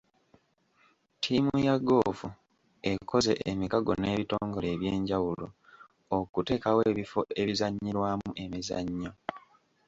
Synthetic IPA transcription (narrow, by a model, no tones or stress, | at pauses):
tʰiːmujaɡo̞ːfu | e̞ko̞ze̞ʔemikaɡo̞̰ne̞ːβitoːŋɡo̞le̞ːβje̞ːɲɟawulo | okute̞ːkawe̞ːβifo̞e̞βizaɲːiɾwaːmuʔe̞miza̰ɲːo